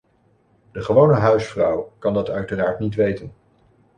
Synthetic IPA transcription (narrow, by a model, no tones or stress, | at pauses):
d̥əχəʋownəɦœɥsfrɔwkɑndɑtœɥtəraːɹtnitʋejtən